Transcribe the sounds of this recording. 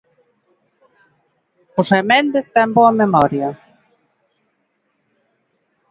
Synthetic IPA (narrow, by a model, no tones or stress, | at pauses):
ʊsemend̪et̪ɛmbɔɐmemɔɾja